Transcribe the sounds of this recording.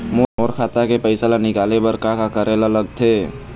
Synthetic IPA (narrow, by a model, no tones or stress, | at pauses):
moːmoːɾkʰaːt̪akepəɪsalanɪkaːlebəɾkakakəɾelələɡt̪ʰeː